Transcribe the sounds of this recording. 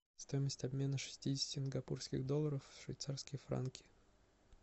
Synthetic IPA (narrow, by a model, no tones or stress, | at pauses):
st̪o̞jɪməsʲtʲɐbmʲe̞nəʂɨ̥sʲtʲidʲɪsʲtʲɪɪnɡɐpurskʲɪ̰ɣd̪o̞lˠːəɾəfʂvʲɪ̰jt̪sarskəjəfɾa̰nkʲʰɪ̥